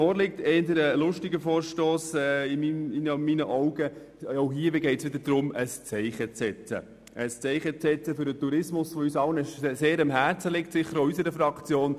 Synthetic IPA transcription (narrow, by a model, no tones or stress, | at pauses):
ɔːɾlɪk̚tɛːnd̪əɾəlʊʃtɪɡəfɔːɾʃtoːsɛːɪmimɪnminəʔɔʊɡə | oɦiːəʋɪɡɛɪtsʋɪd̪əɾdɾʊməst͡sɛɪχət͡sɛt͡sə̰ | əst͡sɛɪχət͡sɛt͡səfʏɾdət̪uɾɪsmʊsfɔysɑlnɪʃseːɾɑmɦæːɾt͡səlɪk̚tsɪχːəɾoysəɾəfɾɑkt͡sjoːn